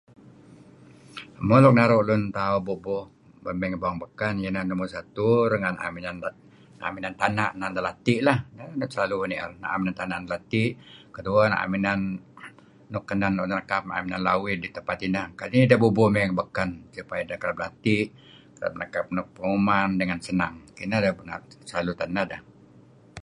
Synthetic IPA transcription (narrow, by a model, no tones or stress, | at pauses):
molɔk̚naɾoʔlʊnt̪aubobʊh | bəmɛŋbɔŋbəkanjənandumusat̪uɾəŋana̰minan | a̰minant̪anaʔnand̪əlat̪iʔlahnanʊnsəlaluniʔna̰ʔaminant̪anaʔndəlat̪ɪʔkəduana̰ʔa̰minanː | ukːənanunnakap̚na̰minanlawɪt̪̚dit̪əpat̪inakaiidabubumɛŋbəkansupajdakəɾap̚lat̪iʔ | kəɾa̰p̚na̰kap̚nuk̚pəŋumandəŋansənaŋkinadabna̰səlalut̪anada